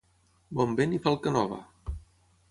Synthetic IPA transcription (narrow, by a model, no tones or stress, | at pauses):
bɔmbenifalˠkənɔβə̰